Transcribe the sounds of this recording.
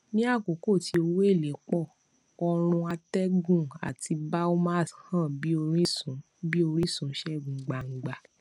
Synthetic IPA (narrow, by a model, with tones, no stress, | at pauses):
nĩ˦a˦˨ko˨˦ko˦˨ti˧˦o˧wo˦e˦˨le˨˦k͡pɔ˦˨ | ɔ˧ɾ̃ũ˧a˧tɛ˦ɡũ˦˨a̰˨ti˧ba˦o˦ma˦˨shã˦˨bi˦o˧ɾĩ˦sũ˨˦ | bi˦o˧ɾ̃i˦sũ˨˦ʃɛ˦˨ɡũ˨ɡ͡ba˨ŋ̩˨ɡ͡ba˨